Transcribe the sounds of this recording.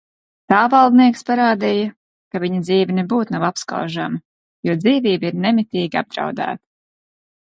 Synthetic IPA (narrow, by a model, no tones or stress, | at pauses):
t̪aːvalˠd̪niɛkspaɾaːd̪ijɐ | kavʲiɲɐd̪ziːvinebuːt̪navapska̰wʒamɐ | juɔd̪ziːviːbiɾnɛmʲit̪iːɡʲia̰b̚d̪ɾa̰wd̪æ̰ːt̪i̥